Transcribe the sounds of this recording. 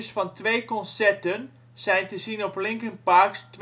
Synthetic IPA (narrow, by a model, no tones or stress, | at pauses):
əsfɑntʋejkɔnsɛɹtən | z̥ɛjntəzinɔplɪŋkənpaɹkst